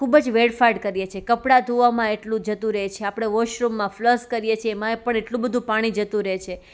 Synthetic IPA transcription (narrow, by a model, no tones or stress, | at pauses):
kʰubəd͡ʒʋeɽfaɾɖkəɾijet͡ʃʰekəpɽad̪ʱuʋamãeʈlũd͡ʒət̪ũɾəɦet͡ʃʰeapɽ̃eʋoʃɾumːãfləskəɾijet͡ʃʰieːmãepəɳeʈlũbəd̪ʱũpaɽ̃id͡ʒət̪ũɾəɦet͡ʃʰe